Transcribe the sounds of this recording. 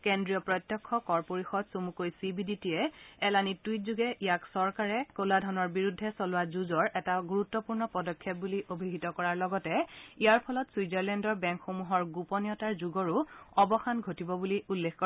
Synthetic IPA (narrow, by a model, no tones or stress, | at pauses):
kendɹijɔpɹɔjtːjɔkʰːɔkɔɹpoɹixɔdsomukojsibʱiditiɛːlanituit̚zuɡɛʔijaksɔɹkaɹɛkoladʱɔnɔɹbiɹudʱːɛsɔlʊwazuzɔɹʔɛtaɡuɹutːɔpuɹnɔpɔdɔkʰːjɛp̚buliʔobʱiɦitɔkɔɹaɹlɔɡɔtɛijaɹpʰɔlɔtswizɛɹlɛndɔɹbɛŋkxomuɦɔɹɡupɔnijɔtaɹzuɡɔɹuɔbɔxanɡʱotibɔbuliʔulːekkɔ